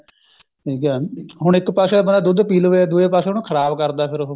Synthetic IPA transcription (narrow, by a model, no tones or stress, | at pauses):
ʈʰiːkɛːɦʊɽ̃ɪkpaːsẽːbənd̪aːd̪ʊd̪piːlːeːd̪ueːpaːseːɦʊɳkʰəɾaːbkəɾd̪aːpʰɪɾoɦ